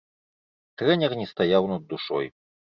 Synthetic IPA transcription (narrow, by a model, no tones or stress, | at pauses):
t̪ɾɛnʲɛrnʲɛst̪ajawnɐd̪ːuʂɔ̰j